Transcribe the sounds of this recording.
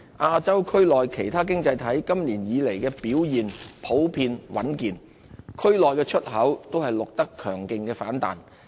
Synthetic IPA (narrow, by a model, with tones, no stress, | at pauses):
ʔaː˧t͡sɐ˥wkʰɵ˥ɥlɔː˨jkʰe˨˩jt̪ʰaː˥k̬ɪ˥ŋt͡sɐ˧jt̪ʰɐ˨˥jkɐ˥mliː˨˩njiː˨˧le˨˩jkɛː˧piː˨˥wjiː˨npʰo˨˥wpʰiː˧nwʔɐ˨˥nkiː˨n | kʰɵ˥ɥlɔː˨jkɛː˧t͡ʃʰɵ˥t̚ɦɐ˨˥wt̪o˥whɐ˨jlʊ˨k̚t̪ɐ˥kʰœː˨˩ŋkɪ˨˧ŋkɛː˧faː˨˥nt̪a̰ː˨˩n